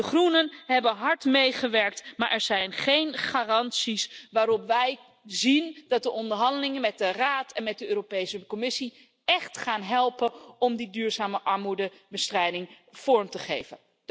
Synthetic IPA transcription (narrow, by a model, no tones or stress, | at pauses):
dəχrunənɦɛbənɦɑɹtmejχəʋɛɹk̚tmaːɹʔɛɹzɛjnχejnχaːrɑnsisʋaːɾɔpʋɛj | zindɑt̚dəʔɔndəɹɦɑndəlɪŋənmɛt̚dəraːtɛnmɛt̚dəøːropejsəkɔmɪsi | ɛχtχaːnɦɛlˠpənɔmdidyːɹzaːməʔɑɹmudəbəstrɛjdɪŋ | v̥ɔɹmtəχejvə̰n